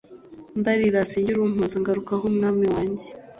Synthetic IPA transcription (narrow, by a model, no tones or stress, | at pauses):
ndaɾiɾasiːɲɟiɾum̥uziŋɡaɾukaɦomunaːmiwaːɲɟe